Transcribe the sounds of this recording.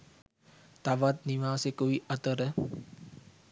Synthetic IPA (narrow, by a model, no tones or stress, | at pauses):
t̪aʋat̪̚niʋaːsekuʋiʔɐt̪əɾə